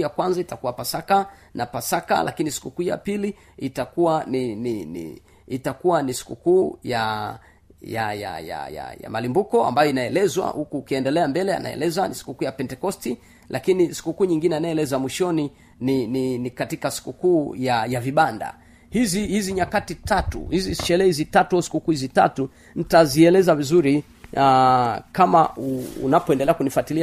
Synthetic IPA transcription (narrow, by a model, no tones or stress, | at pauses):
jakwanzaitakuwapasaka | napasaka̰lʔa̰kinisi̥kukuːja̰pili | itakuwanininḭ | itakuwanisi̥kukuːja | jaja̰ja̰ja̰ja̰malimbukɔa̰mbajɔinaɛlɛzwa̰hukuːkiɛndɛlɛambɛlɛa̰na̰ɛ̰lɛzanisi̥kukuːjapɛntɛkɔsti | lʔakinisi̥kukuːɲiŋɡinɛinaɛlɛzamwiʃɔni | nininikatikasi̥kukuːjajaviɓanda̰ | hizihiziɲakatitatṵhiziʃɛlɛhizitatuasi̥kukuːhizita̰tu | n̩taziɛlɛzavizuɾi | akamauṵnapɔɛndɛlɛakunifwatili